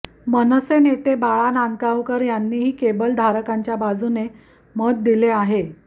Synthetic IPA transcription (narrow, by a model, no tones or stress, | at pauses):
mənəsenet̪ebaɭanankaʋkəɾjanːiːɦiːkebəld̪ʱaɾəkaɲt͡ɕjabad͡zune | məd̪̚d̪ileaɦe